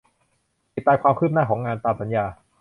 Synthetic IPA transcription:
i˨˩t̪ːaː˧jkʰwaː˧mkʰɯː˥˩p̚naː˥˩kʰɔː˩˦ŋaː˧nt̪aː˧msa˩˦njaː˧

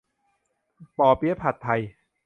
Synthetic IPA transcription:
pɔː˨˩pi˦˥pʰa˨˩t̪ʰːa˧j

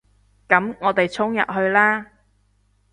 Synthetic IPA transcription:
kɐ˨˥mŋɔː˨˧t̪e˨jt͡sʰʊ˥ŋjɐ̰˨t̚ɦɵ˧ɥlaː˥

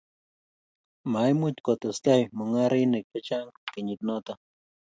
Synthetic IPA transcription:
ma˨jmʊ˦tkɔ˨t̪ɔ˨st̪a˦jmʊ˨ŋa˦ɾi˦nɪ˨k̚pe˦t͡ʃa˦ŋkɪ˨ɲɪ˨t̪̚nɔ˦t̪a˦

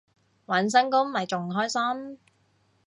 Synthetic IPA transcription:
wɐ˨˥ns̬ɐ˥ŋkʊ˥ŋmɐ˨˩jt͡sʊ˨˩ŋ˨ɦɔː˥jsɐ˥m

